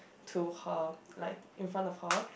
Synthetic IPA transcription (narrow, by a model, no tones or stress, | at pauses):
tʰuhəlaɪkɪ̃nfɹãntɔv̥hə